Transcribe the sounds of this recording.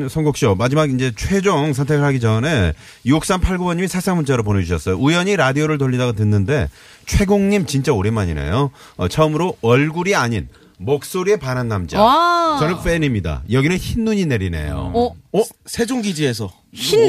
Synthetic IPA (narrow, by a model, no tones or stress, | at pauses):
sʰʌŋɡokɕ͈omad͡ʑimaɡind͡ʑe̞t͡ɕʰwe̞d͡ʑoŋsʰʌntʰeɡɯɭɦaɡid͡ʑʌne̞ | iok̚s͈anpʰaɭɡobʌnɲːimisʰasʰaŋbunt͡ɕ͈ʰaɾop̬oned͡ʑuɕʰʌs͈ʌjoujʌɲiɾadioɾɯɭt̬oʎːidaɡotɯnːɯnde̞ | t͡ɕʰwe̞ɡoŋɲimt͡ɕint͡ɕ͈aoɾemaɲḭne̞̰jo | ʌ̰t͡ɕʰʌmɯɾoʌɭɡuɾiaɲin | mok̚s͈oɾiepananːamd͡ʑa̰t͡ɕʌnɯnp͈enimɲida̰jʌɡinɯnçinnuɲine̞ɾine̞̰jo̰ | sʰe̞d͡ʑoŋɡid͡ʑie̞s̬ʰʌ | i